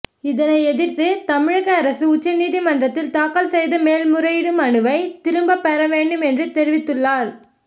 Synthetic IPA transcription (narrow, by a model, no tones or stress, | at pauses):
ɪðɐnɐɪɛðɪɾt̪ɯt̪ɐmɪɻɐɣɐɐɾɐsɯʊt͡ʃːɐniːðimɐndrɐt̪ːɪlt̪aːkɐːlsɛjðɐmeːlmɯɾɐjɪɽɯmɐɳɯʋɐɪt̪ɪɾɯmbɐpːɛɾɐʋeːɳɖɯmɛndrɯt̪ɛɾɪʋɪt̪ːɯɭːaːɾ